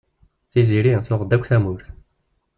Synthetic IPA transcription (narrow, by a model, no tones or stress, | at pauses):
θiziɾĩsʊʁd̪ækʷːθæmuɾ